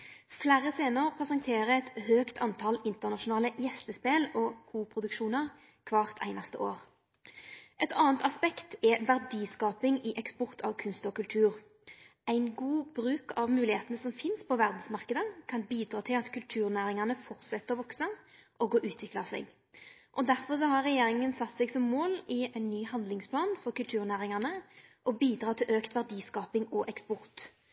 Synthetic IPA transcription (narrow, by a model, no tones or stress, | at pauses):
flæːɾəseːnəʁpʰɛsɑŋt̪ʰeːʁəɛt̪høːkt̪ʰɑnt̪ʰɑlɪnt̪əʁnɑʃʊnɑːləjɛst̪əspeːlɔkʰuːpʰʁʊd̪ʉkʃuːnəʁ | kʰʋɑːʁt̪ʰæ̰ɪnɑst̪əʔoːʁ | ʔɛt̪ʰɑːnt̪ɑspɛkt̪ɛʋæʁd̪iːskɑːpɪŋɪʔɛkspɔʁt̪ʰɑʋkʰʉnst̪ɔkʉlt̪ʰʉːʁ | ʔæɪnɡuːbɾʉːkɑʋmʉːlɪheːt̪ənəsɔmfɪnspʰɔʋæʁd̪n̩smɑʁkəd̪əkʰɑnbiːd̪ʁɑːt̪ʰɪlɑt̪kʰʉlt̪ʰʉːʁnæːɾɪŋɑnəfɔʁt̪sɛt̪ːəʁɔʋɔksəʔɔɡɔʔʉːt̪ʰʋɪklɑsɛ̰ɡ | ʔɔd̪æɾfɔʁs̬ɔhɑɾʁːɛjeːɾɪŋənsɑt̪ːsɛɡsɔmːoːlɪæɪnːyːhɑnd̪lɪŋspʰlɑːnfɔʁkʉlt̪ʰʉːʁnæːʁɪŋɑnəʔɔbiːd̪ʁɑːt̪ʰɪlʔøːkt̪ʋæʁd̪iːskɑːpɪŋɔʔɛkspɔʁt̪